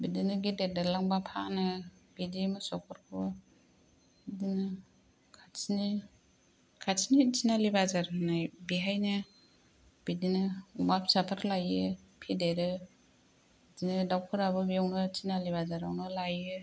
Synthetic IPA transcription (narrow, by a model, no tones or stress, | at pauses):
bidinɯɡidedalaŋbapʰanɯb̥idimɯsɔkʰɯɾkʰɯ | idinɯ | kʰasni | kʰasinitinalibazaɾnajbiɦajnɯ | b̥idinɯumap̚ʰsapʰaɾlajɯ | pʰideɾɯ | dinɯdawkʰɯɾabɯbiawnɯtʰinalibazaɾawnɯlajɯ